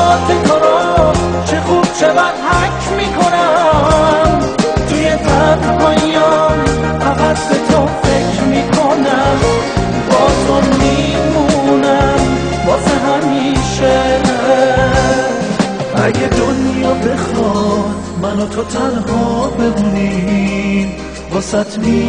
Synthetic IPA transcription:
ɔːset̪ʰoɾɔt͡ʃʰexuːb̥̚t͡ʃʰebæd̪̥hækʰmiːkʰonæ | m | iet̪ʰæt̪hɔjæɔm | æɣæt̪bet̪ʰofe̞kʰɾmiːkʰonæm | bɒːzmɔnmiː | munæm | bɒːseɦæmiːʃe | æɡed̪onjɒːbe̞xɒd̪mænot̪ʰot̪ʰænɦɒːbe̞d̪uni | m | bɒːsæt̪ʰmi

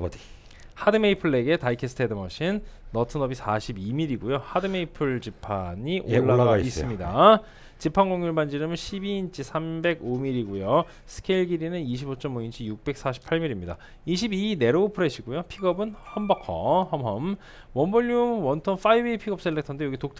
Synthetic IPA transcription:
hadɯme̞ipʰɯɭːe̞ɡe̞taikʰesʰɯ̥tʰedɯmʌɕʰinːʌtʰɯnʌbisʰaɕʰibimiɾiɡujohadɯme̞ipʰɯɭd͡ʑipʰaɲiʔoɭːaɡais͈ɯmɲida | t͡ɕipʰanɡoŋjuɭband͡ʑiɾɯmɯnɕʰibiint͡ɕʰisʰambe̞ɡomiɾiɡujo | sʰɯ̥kʰeiɭɡiɾinɯniɕʰibot͡ɕ͈ʌmoint͡ɕʰijuk̚p͈e̞k̚s͈ʰaɕʰi̥pʰaɭmiɾimɲida | iɕ̬ʰibine̞ɾopʰɯɾe̞ɕʰiɡujopʰiɡʌbɯnhʌmbʌkʰʌ̰hʌmɦʌm | wʌmboʎːuwʌntʰʌnfaiweipʰiɡʌp̚s͈eɭːek̚tʰʌndejoɡitok̚tʰ

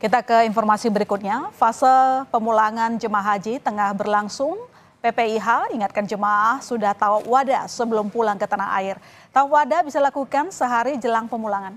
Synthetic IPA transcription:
kit̪akəinfɔrmasibəɾikut̪̚ɲafasalpəmulaŋand͡ʒəmaɦad͡ʒit̪əŋahbərlaŋsʊŋ | pepeiɦaiŋat̪̚kand͡ʒəmaʔːhsudaht̪aupwadasəbəlʊmpulaŋkət̪anaɦa̰ɪr | t̪aupwadabisalakukansəɦaɾid͡ʒəlaŋpəmulaŋan

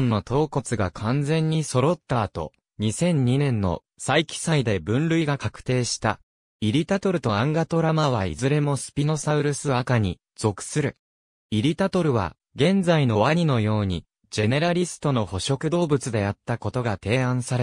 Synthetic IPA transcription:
nːo̞t̪ʰo̞ːko̞t͡sɨɡakʰãnd͡zẽ̞ɲ̟ːiso̞ɾo̞t̪ːaːt̪o̞̰ | ɲ̟isẽ̞ɲ̟ːinẽ̞nːo̞̰ | saikʲi̥said̪e̞bɯ̟̃nɾɯ̟iɡakakɯ̟̥t̪e̞ːɕi̥t̪a | iɾʲit̪at̪o̞ɾɯ̟t̪o̞ãŋɡat̪o̞ɾamaβ̞aḭzɨɾe̞mo̞sɨ̥pʲino̞saɯ̟ɾɯ̟sɨakaɲ̟i | d͡z̥o̞kɯ̟̥sɨɾɯ̟ | iɾʲit̪at̪o̞ɾɯ̟βa̰ | ɡẽ̞nd͡zaino̞βaɲ̟ino̞jo̞ːɲ̟i | d͡ʑe̞ne̞ɾaɾʲisɨ̥t̪o̞no̞ho̞ɕo̞kɯ̟d̪o̞ːbɯ̟t͡sɨd̪e̞jat̪ːako̞t̪o̞ɡat̪e̞ːãɰ̃saɾe

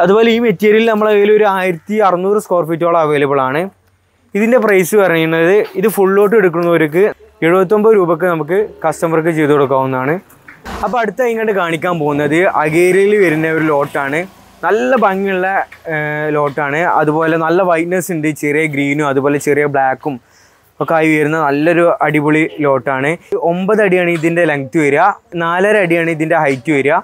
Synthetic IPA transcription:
ɐðuboːleiːmetːiɐɾilnɐmːɐɭɐɣeːlio̞ɾuaːjiɾɐt̪ːiɐrɐnːuːrɨskoːrfiːtːoːɭːɐɐːʋe̞ːlɐpːɐɭaːɳɨ | iðinde̞prɐjsɨpɐrɐɲːunːɐðɨiðɨfuɭːo̞ːʈ̬ːɨeɽuk̬ːunːɐoɾɨk̬ːɨ | eɻubɐt̪̬ʲːo̞mbɐɾuːbɐk̬ːɨnɐmuk̬ːɨkɐstɐmɐrk̬ːɨt͡ɕe̞jt̪ːukoɽuk̬ːaːʋunːɐðaːɳɨ | ɐpːoɐɽut̪ːɐiŋːɐʈːɖɨkaːɳikʲːaːmpo̞ːɣunːɐðɨɐɣeːɾiilʋɐɾinːɐoɾulo̞ːʈːaːɳɨ | nɐlːɐbɐŋːiɭːe | lo̞ːʈːaːɳɨɐ̰ðubo̞ːle̞nɐlːɐʋɐjnɐsindet͡ɕerijɐɡɾiːnumɐðubo̞ːlet͡ɕerijɐbɭaːkːum | okːaːjiʋujɐɾunːɐnɐlːɐo̞ɾuɐɽibuɭilo̞ːʈːaːɳɨo̞mbɐðɐɽijaːɳiðinde̞lɐŋɡt̪uʋɐɾuanaːlaːɾɐɽijaːɳɨiðinde̞ɦɐjtːuʋɐɾua

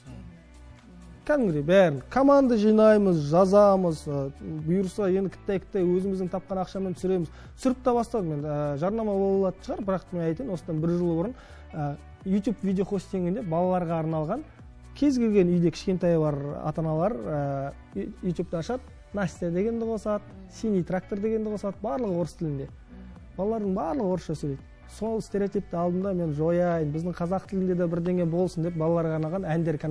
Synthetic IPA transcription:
kʲʰæd̪ɪŋɡɾebæɾɪnkʰomand̪ɑʒijnɑjməzʒɑzɑməzəbujuɾəsɑje̞nd̪ɪkʰʲɪt̪ːɑjkʲʰɪ̥t̪ːɑjwɵzɪmɪzd̪ɪŋt̪ʰɑp̚qɑnɑqʃɑment̪sʏɾe̞mɪz | sʏɾɪp̚t̪ɑbɑst̪ɑld̪əme̞nəʒɑɾnɑmɑbolˠlˠɑt̪ənʃəʁɑɾbɪɾɑqme̞nɑjt̪enwo̞səd̪ɑnbɪɾʒəlˠbʊɾən | ə | jut̪jupvijd̪ʲeoχo̞st̪ʰeŋɡʲɪnd̪e̞bɑlˠɑlˠɑɾʁɑːɾnɑlˠʁɑŋ | kʲʰe̞zɡʲe̞lɡʲe̞nʏjd̪e̞kʲʰɪ̥ʃkʲe̞nt̪ɑjbɑɾɑ̰t̪ɑnɑlˠɑɾə | jut̪ʲjupt̪eɑʃɑt̪̚ | nasʲt̪ijad̪e̞ɡʲe̞nd̪ɪqʰo̞sɑd̪ | sʲinijt̪rak̚t̪o̞rd̪e̞ɡʲe̞nd̪ɪqʰosɑd̪bɑɾlˠəqwo̞ɾəst̪ʰɪlɪnd̪e̞ | b̥ɑlˠɑlˠɑɾd̪əɴbɑɾlˠəʁəwo̞ɾəsʃɑsɵled̪ɪ | so̞lˠɪst̪eɾʲiat̪ʲip̚t̪ɪɑlˠd̪ənd̪ɑme̞nʒo̞jɑjənbɪzd̪ɪŋqʰɑzɑq̚t̪ʰɪlɪnd̪ed̪ɑbɪɾd̪e̞ŋɡʲe̞jbo̞lˠsənd̪ep̚bɑlˠɑlˠɑɾʁɑɾnɑlˠʁɑnænd̪e̞ɾkʰʲan

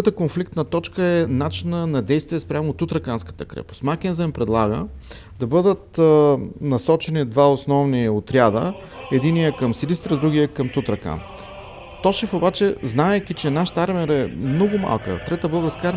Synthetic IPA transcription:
t̪əkonflikt̪nɐt̪ɔt͡ʃkəɛnat͡ʃinənɐd̪ɛjst̪vijɛspɾʲjamot̪ut̪ɾɐkanskə̥t̪əkɾɛ̰pʊ̥smak̟ɛnzɛmpɾɛd̪lˠaɡə̰ | d̪̥ɐbɤd̪ət̪ | nɐsɔt͡ʃɛnid̪vaosnɔvniot̪ɾʲjad̪ə | ɛd̪inijəkɐmsilist̪ɾəd̪ɾuɡiəkɐmt̪ut̪ɾɐka̰n | t̪ɔʃɛfobat͡ʃɛznaɛk̟ʲit͡ʃɛnaʃt̪aɾmɛɾɛmnɔɡʊma̰lˠkə̰t̪ɾɛt̪əbɤlˠɡəɾskaɾ

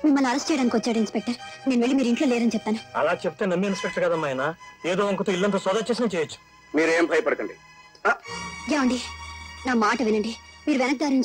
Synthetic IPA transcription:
mimːɐlːuɐɾɐsʈt͡ʃɛjɐɽaːnikiʋɐt͡ʃːaːɽinspek̚ʈɐɾneːnuʋeɭːimiːɾiɳʈlo̞ːleːɾɐnit͡ʃɛp̚ːt̪aːnuɐ̰laːt͡ʃep̬̚t̪eːnɐmːiinspɛk̚ʈɐɾkɐd̪amɐːjɐnaːeːd̪oːɐŋkɐt̪oːilːɐnt̪ɐsɐd̪aːt͡ʃeːsinaːt͡ʃɛːjɐt͡ʃːu̥ | miːɾeːmbʱɐjɐpɐɽɐkɐɳɖi | ajaːuɳɖinaːmaːʈɐʋinɐɳɖimiːɾuʋɛnɐk̚d̪aːɾiɲt͡ʃ

